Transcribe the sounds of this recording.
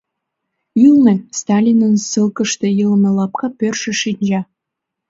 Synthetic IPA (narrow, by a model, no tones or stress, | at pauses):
ylnĕst̪ɑlʲinənsəlkə̆ʃt̪ĕjəlmĕlɑp̚kɑpørʃĕʃinʲd͡ʑɑ